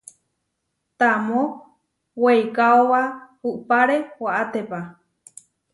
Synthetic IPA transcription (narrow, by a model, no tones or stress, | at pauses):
t̪amo | weikaowa | uʔpaɾewaʔat̪epa